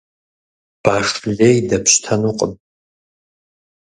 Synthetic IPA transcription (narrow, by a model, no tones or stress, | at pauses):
b̥aːʂɮejdɐpɕtʰɐnuqʼəm